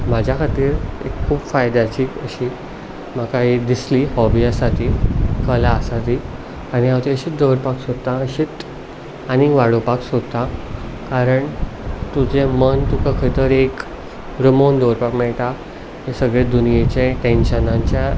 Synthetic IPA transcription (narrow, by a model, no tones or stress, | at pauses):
m̤ad͡ʑʱjakʰat̪iːɾekʰːuːbfajd̪at͡ɕiːəɕi | məkaɦid̪islihɔʋiasaʈ̪ʰiːkəlaəsat̪i | aɽ̃iawt̪iəɕiːt̪d̪əʋɾpaksod̪̚t̪ãəɕit̪ | añiʋaɽopaksod̪t̪ãkaɾəɳt̪ud͡zẽmənt̪ukakʰət̪əɾek | ɾəmond̪əʋɾpakmɛɭʈ̪a | ɦesəɡɭed̪unijet͡ɕẽʈenɕənãɲt͡ɕja